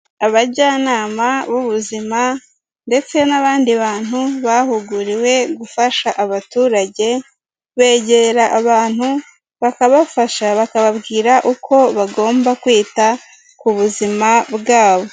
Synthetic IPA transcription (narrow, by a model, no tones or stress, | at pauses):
aβaɟaːnaːmaβuβuzima | nde̞t͡se̞naβaːndiβaːn̥huβahuɡuɾiwe̞ɡufaʃaʔaβatuːɾaɟe̞ | βe̞ːɟe̞ɾaʔaβaːn̥hu | βakaβafaʃaβakaβabɡiːɾaʔukʰo̞βaɡo̞ːmbakwiːta | kuβuzimabɡaːβo̞